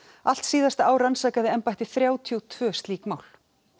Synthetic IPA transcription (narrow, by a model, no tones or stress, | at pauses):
al̥t̪siːðast̪aaːwɾansaːkaðɪɛmpajht̪ɪθɾjaːwt̪ʰjuwt̪ʰv̥œːst̪liːkmaːwl